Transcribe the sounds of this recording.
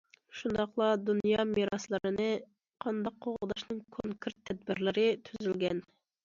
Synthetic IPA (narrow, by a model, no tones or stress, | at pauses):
ʃund̪ɑχlˠɑd̪unjɑmiɾɑslˠɨɾɨnɨ | qʰɑnd̪ɑqʰːoʁʁd̪ɑʃnɨŋkʰoŋkʰʲɪɾt̪ʰːɛd̪̚bɪɾlɪɾɪt̪ʰyzylɡʲɛn